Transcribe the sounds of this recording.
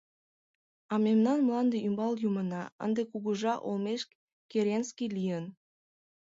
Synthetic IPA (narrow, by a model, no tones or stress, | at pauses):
ɑmemnɑnmlɑnd̪eymbɑljumənɑə̰nd̪ekuɣuʒɑʔolmeʃ | keɾenskijlijən